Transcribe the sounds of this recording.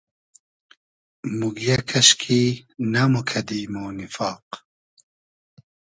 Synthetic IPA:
muɡjakʰɐʃkʰiːnɐmukʰɐd̪imonifɑːq

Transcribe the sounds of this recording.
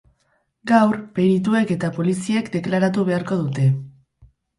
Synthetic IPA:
ɡawɾpe̞ɾit̪ue̞ke̞t̪apo̞lisie̞kd̪e̞klaɾat̪̬uβ̞e̞aɾko̞ð̞ut̪e̞

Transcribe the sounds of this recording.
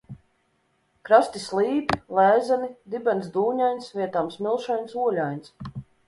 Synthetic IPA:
kɾast̪islˠiːpilˠæːzanid̪ibɛnsd̪uːɲajnsvʲiɛt̪aːmsmʲilˠʃajnsuɔlʲajns

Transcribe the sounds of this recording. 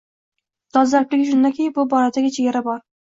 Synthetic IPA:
d̪̥ɒzlaɾplɪɡʲɪʃ̬ʊnd̪akʲʰejɪbʊbɒɾad̪aɡʲat͡ʃʰeɡʲaɾabɒɾ

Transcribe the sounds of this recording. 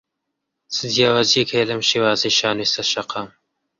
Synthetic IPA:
sɨd̪ijaːwaːzijekheːlɐmʃeːwaːzejʃaːnest̪ɐʃɐqʰɑːm

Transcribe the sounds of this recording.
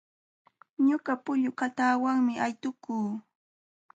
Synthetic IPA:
ɲoɢɑpʊʎʊkat̪aːwaŋmɪʔajt̪ʊkuː

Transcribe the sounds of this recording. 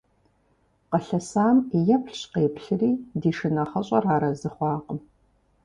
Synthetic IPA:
qɐɬɐsaːmjɐpʰɬɕqeːpɬɨriːdiːʂɨnɐχɐɕʼɐraːɾɐzɨχʷɑːqʼəm

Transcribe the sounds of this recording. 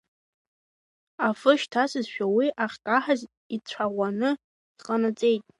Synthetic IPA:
afɨʃtʰasɨzʃᶣawiʔaχʲkʼaħaz | it͡ɕʷʰaʁʷanɨ | d̥qʼanat͡sʼe̞jtʼ

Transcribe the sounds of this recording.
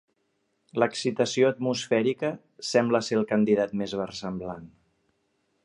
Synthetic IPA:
ləksit̪əsioət̪musfɛɾikə | sɛmbləselˠkənd̪iðat̪mezβərsəmblan

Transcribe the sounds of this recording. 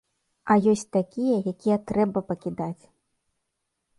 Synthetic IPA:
ɐjɔsʲt͡sʲt̪akʲijɐjakʲijɐt̪ɾɛbɐpɐkʲid̪at͡sʲ

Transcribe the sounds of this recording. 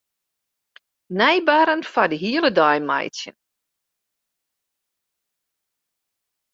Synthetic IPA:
nɛjbaːɾənfadəɦiəlˠədɔjma̰jtjə̰n

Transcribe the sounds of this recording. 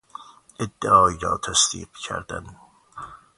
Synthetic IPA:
ʔed̪ːeʔɒːiɾɒːt̪ʰæsd̪ḭːqcʰæ̰ɾd̪æ̰n

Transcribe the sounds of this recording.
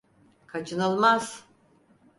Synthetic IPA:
kʰat͡ʃʰɯnɯlˠmaz̥

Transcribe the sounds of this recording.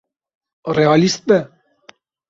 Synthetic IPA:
reɑlist̪̚bɛ

